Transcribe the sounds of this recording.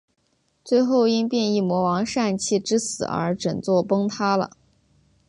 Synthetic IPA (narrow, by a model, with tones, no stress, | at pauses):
t͡swe˥˧ɪxo˥˩ʊi˥npjɛ˥˧ni˥˩mwɔ˧˥wɑ˧˥ŋʂa˥˧nt͡ɕʰi˥˩ʈ͡ʂɻ̩˥sɹ̩˨˩ə̰˞˧˥ʈ͡ʂə˨˩nt͡swɔ˥˩pɤ˥ŋt̪ʰa˥lə̰˨